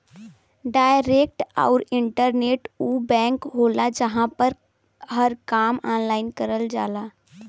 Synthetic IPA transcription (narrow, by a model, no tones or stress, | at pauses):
ɖaːjɾek̚ʈa̰ʊɾɪɳʈəɾneːʈuːbɛ̃ːŋkɦolad͡ʒəɦãpəɾ | ɦəɾkaːmaːnlaːɪnkəɾəld͡ʒaːlaː